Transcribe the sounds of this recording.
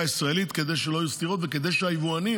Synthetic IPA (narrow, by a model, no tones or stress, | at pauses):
aisʁaelit̪ke̞d̪e̞jʃeloajust̪iʁo̞t̪veked̪e̞jʃeajivuani